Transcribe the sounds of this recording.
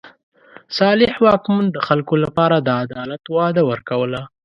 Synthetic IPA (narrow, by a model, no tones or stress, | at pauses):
sɑlɪhwɑkmund̪əxalkolapɑɾad̪əad̪ɑlat̪wɑd̪awəɾkawəla